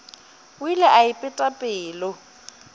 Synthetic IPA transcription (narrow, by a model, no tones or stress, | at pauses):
wilɛʔaɪpʼɪtʼapʼɪːlɔ